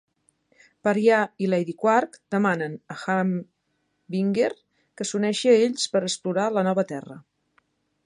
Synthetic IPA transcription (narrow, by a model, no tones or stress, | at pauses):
pəɾjailɛjðikwarkd̪̥əmanənəxam | biŋɡer | kəsunɛʃiəeʎspəɾəspluɾalənɔβət̪ɛrə̰